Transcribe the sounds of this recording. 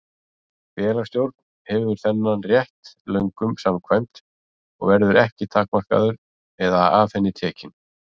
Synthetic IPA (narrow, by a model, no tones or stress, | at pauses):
fjɛːlast̪jowɾt̪̚n | hɛvvʏɾ̥θɛnːanrjɛht̪lœɥŋkʏmsamkʰvajm̥t̪ | ɔ̰ɣvɛɾðʏɾɛhcɪt̪ʰaːkmar̥ka̰ðʏɾ | ɛðaaːfɛnːɪt̪ʰɛːcɪn